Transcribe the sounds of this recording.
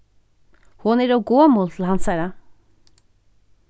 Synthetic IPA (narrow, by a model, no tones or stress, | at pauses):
hʊnɪːɾoːɡoːmoːlt̪ʰl̩hɑnsæɾɑ